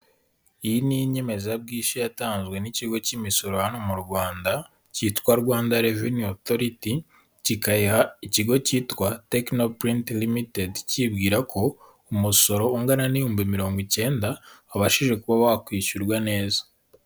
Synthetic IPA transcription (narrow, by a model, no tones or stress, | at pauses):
ijiniɲeme̞zab̚ɡiːʃijataːnzɡwe̞niciɡo̞cimiso̞ɾohano̞muɾɡwaːnda | citkwaɾɡwaːndaɾevinioθoɾiti | cikajihaiciɡo̞ciːtwate̞kno̞pɾintlimitedcib̚ɡiːɾakʰo̞ | umuso̞ɾo̞uŋɡananijuːmbimiɾo̞ːŋɡwice̞ːndaːβaʃiʒe̞kuβaβakwiːʃuɾɡwane̞ːzḁ